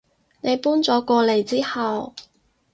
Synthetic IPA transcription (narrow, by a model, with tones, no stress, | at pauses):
ne˨˧jpuː˥nt͡sɔː˨˥kɔː˧le˨jt͡siː˥hɐ˨w